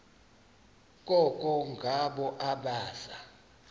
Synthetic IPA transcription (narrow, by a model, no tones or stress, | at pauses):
kʼɔkʼɔŋɡʱaɓɔʔaɓaːsa